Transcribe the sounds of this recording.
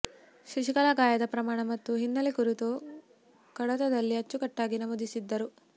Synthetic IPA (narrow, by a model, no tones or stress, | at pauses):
ʃiʃikɐlaːɡaːjɐd̪ɐpɾɐmaːɳɐmɐt̪ːuɦinːɐlikuɾit̪u | kɐɽɐt̪ɐd̪ɐlːiɐt͡ʃːukɐʈːaːɡinɐmoːd̪isid̪ːɐɾu